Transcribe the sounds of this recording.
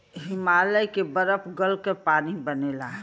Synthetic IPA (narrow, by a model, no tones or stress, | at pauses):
ɦɪmaːləjkebəɾəpʰɡəlkepaːnibənelaɦ